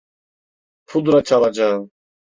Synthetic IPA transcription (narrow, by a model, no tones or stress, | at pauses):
pʰud̪ɾat͡ʃʰalad͡ʒa